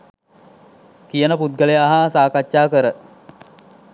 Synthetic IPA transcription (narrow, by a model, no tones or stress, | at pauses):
kijənəput̪̚ɡəleaɦasaːkat͡ʃːaːkəɾə